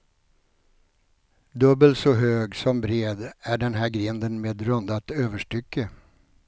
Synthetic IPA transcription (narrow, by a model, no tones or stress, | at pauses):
d̪ɵbːəlt̪sɔɦøːɡsɔmbɾeːd̪æɖɛnɦæɾɡɾɪnd̪ənmeːd̪ɾɵnd̪at̪øːvəʂʈʏkːə